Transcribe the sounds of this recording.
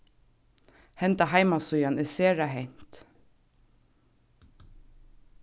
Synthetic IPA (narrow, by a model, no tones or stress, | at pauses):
hɛnt̪ɑhɑɪmɑsʊjɑnʔeːseːɹɑhɛɲ̥t̪